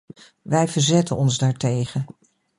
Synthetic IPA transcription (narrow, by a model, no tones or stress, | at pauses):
ʋɛjvəɹzɛtənɔnzdaːɹtejχən